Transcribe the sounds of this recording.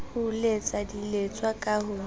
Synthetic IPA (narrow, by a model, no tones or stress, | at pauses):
hʊlet͡sʼadilet͡sʼwakʼahʊ